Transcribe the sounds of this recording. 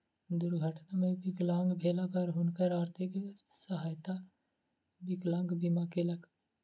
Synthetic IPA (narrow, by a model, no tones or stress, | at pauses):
d̪ʊɾɡʱəʈnamẽbɪklãːŋɡbʱeːlapɐɾɦʊnkəɾaːɾt̪ʰiksəɦaːjt̪a | bɪklãːŋɡbimakelək